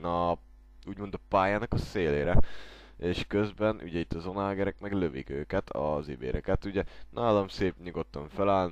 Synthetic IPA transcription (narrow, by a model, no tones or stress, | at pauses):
nɒ | uːɟmo̞nd̪ɒpaːjaːnɒkɒseːleːɾɛ | eːʃkø̞zbɛnʔṵɟɛit̪ːɒzo̞naːlɡɛɾɛkmɛɡløvikøːkɛt̪ʰɒ̰zibḛːɾʔɛkɛt̪uɟɛnʔaːlomseːpɲuɡot̪ːɒɱfɛlaːln